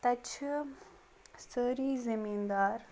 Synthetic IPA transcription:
t̪ɐt͡ʃʰ | səːɾiːzemiːnd̪aːɾ

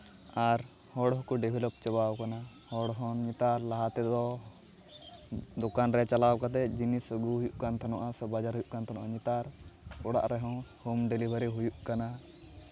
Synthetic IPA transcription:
aɾ | hɔɽɔɦɔkuɖibʱilɔp̚t͡ʃabawkana | hɔɽɦɔ̃ɲit̪aɾlaɦat̪ɛd̪ɔ | d̪ɔkanɾɛt͡ʃalawkat̪ɛd͡ʒinisəɡuɦujuʔkant̪ʰanɔʔasɛbad͡ʒaɾɦujuʔkant̪ʰanɔ̰ʔaɲit̪aɾkɔɽa̰ʔɾɛɦɔ̃humɖɛlibʱəɾiɦujuʔkana

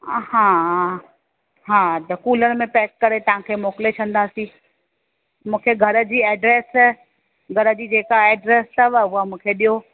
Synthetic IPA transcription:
hãː | ɦãːt̪ɐkuːləñ̆mẽpɛːkːɐɾet̪ɐʋ̤ãkʰeːmoːkɪlet͡ɕʰɐ̃n̆d̪aːsĩː | mũːkʰeɡʱɐɾə̆d͡ʑiːɛːɖɾeːs | ɡʱɐɾə̆d͡ʑiːd͡ʑeːkaɛːɖɾeːst̪ɐʋʊɦamũːkʰeɗijo

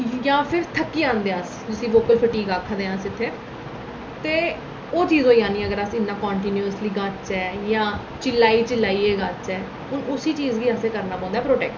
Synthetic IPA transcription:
jãːpʰɪɾt̪ʰəkːiːãːnd̪eːas | d͡ʒɪsĩːʋoːkəlpʰəʈiːɡaːkʰad̪eːãːsɪt̪ʰːeː | t̪eː | oːt͡ʃiːzõːiːãːnĩːəɡəɾasɪnːãːkɔ̃ːɳʈiːnjuːəsliːɡat͡ʃɛːjãː | t͡ʃɪlaːiːt͡ʃɪlːaːiːɛːɡat͡ʃɛː | ɦʊnʊsiːt͡ʃiːzɡiːaːseːkəɾnaːpɔ̃ːnd̪aːpɾoːʈɛːk̚ʈ

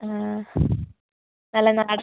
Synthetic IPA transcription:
a | nɐlːɐnaːɽ

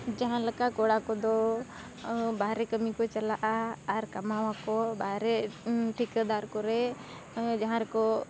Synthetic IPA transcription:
d͡ʒəɦãləkakɔɽakɔd̪ɔ | bʱaːɾɛkəmikɔt͡ʃəlaʔaːɾkəmawakɔbʱaːɾɛʈʰikəd̪aɾkɔɾɛ | d͡ʒaɦãɾɛkɔ

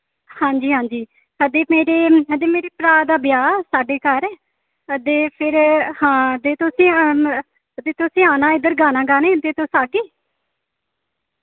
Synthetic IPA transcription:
hãːɲd͡ʒiːɦãːɲd͡ʒiː | əd̪eːmeːɾeːɦəd̪eːmeːɾeːpɾaːd̪aːbɪjaːsaːɖeːkəɾ | əd̪eːpʰɪɾhãːd̪eːt̪osĩː | əd̪eːt̪ʊsĩːaːnãːɪd̪əɾɡaːnãːɡaːnẽːd̪eːt̪osaːɡiː

